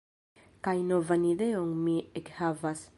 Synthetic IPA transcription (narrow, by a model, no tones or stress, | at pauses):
kajnovanid̪eoŋmiekhavas